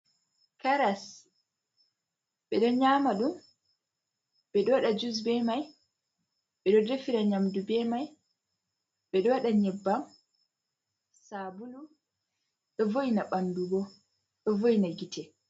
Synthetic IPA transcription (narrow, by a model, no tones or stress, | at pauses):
kaɾas | ɓɛɗɔɲaːmaɗum | ɓɛɗɔwaɗad͡ʒus̬bɛmaj | ɓɛɗɔdefiɾaɲamdubɛmaj | ɓɛɗɔwaɗaɲɛbːam | sabulu | ɗɔvojinaɓanduɡɔ | ɗɔvojinaɡitʰɛ